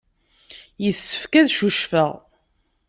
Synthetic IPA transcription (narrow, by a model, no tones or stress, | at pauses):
jəθsːə̥fkæðʃuʃfəʁ